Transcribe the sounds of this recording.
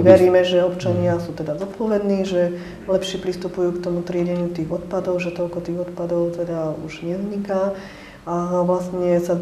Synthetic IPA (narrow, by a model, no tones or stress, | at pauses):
ʋɛɾiːmɛʒɛɔpt͡ʃaɲɪasuːt̪ɛd̪azɔt̪̚pɔʋɛd̪niːʒɛ | lɛpʃɪɛpɾist̪upujuːkt̪ɔmut̪ɾɪɛɟɛɲjut̪iːɣɔt̪pad̪ɔʊʒɛt̪ɔlkɔt̪iːɣɔt̪pad̪ɔʊt̪ɛd̪auʒɲɛzɲika | aʋlast̪ɲɛsa